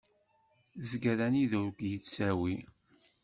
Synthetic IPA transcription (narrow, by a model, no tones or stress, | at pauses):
zɡæðæniðʊɾɡjət͡sːsæwi